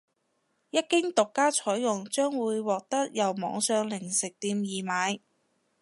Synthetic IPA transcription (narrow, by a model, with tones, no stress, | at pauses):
jɐ˥t̚kɪ˥ŋt̪ʊ˨kːaː˥t͡ʃʰɔː˨˥jːʊ˨ŋt͡ʃœː˥ŋwuː˨˧jwɔː˨k̚t̪ɐ˥k̚jɐ˨wmɔ̰ː˨˧ŋsœː˨˧ŋlɪ˨˩ŋsɪ˨k̚t̪iː˧mjiː˨maː˨˧j